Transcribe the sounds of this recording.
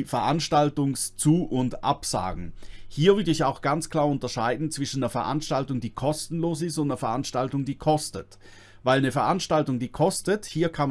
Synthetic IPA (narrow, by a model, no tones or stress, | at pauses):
fɛɐʔanʃtaltʊŋst͡suːʔʊndʔa̰pz̥a̰ːɡŋ̩hiːɐvʏɐdəɪçaʊxɡ̥ant͡skʰl̥aːɐʊntɐʃaɪdn̩t͡sv̥ɪʃn̩deːɐfɛɐʔa̰nʃtaltʊŋdiːkʰɔstn̩loːsɪstʊntneːɐfɛɐʔanʃtaltʊŋdiːkʰɔstət | vaɪlnəfɛɐʔanʃtaltʊŋdiːkʰɔstəthiːɐkʰanm